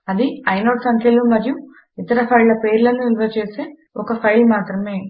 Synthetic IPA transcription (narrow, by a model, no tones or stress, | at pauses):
ɐd̪iɐjnoːʈsɐŋkʰjɐluːmɐɾju | it̪ɐɾɐpʰɐjlɐpeːɾlɐnːuilʋɐt͡ʃeːseː | ɔkɐpʰɐjlmaːt̪ɾɐme̞ː